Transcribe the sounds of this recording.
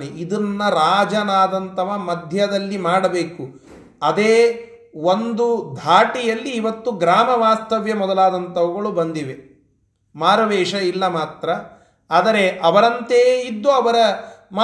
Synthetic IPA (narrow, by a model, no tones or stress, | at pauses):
niʔid̪ɐnːɐɾaːd͡ʒɐnaːd̪ɐnt̪ɐʋɐmɐd̪ʱjɐd̪ɐlːimaːɽɐbeːku | ɐd̪eː | ond̪ud̪ʱaːʈijɐlːiːʋɐt̪ːuɡɾaːmɐʋaːst̪ɐʋjɐmɔd̪ɐlaːd̪ɐnt̪ɐʋɐɡɐɭubɐnd̪iʋe̞ | maːɾɐʋɛːʂɐilːɐmaːt̪ɾɐ | aːd̪ɐɾe̞ʔɐʋɐɾɐnt̪eːid̪ːuɐʋɐɾɐm